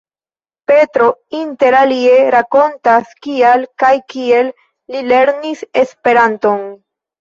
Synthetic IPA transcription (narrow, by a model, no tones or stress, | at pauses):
pe̞tɾo̞inte̞ɾalie̞ɾako̞ntaskialkajkie̞lː | ile̞ɾnise̞spe̞ɾanto̞n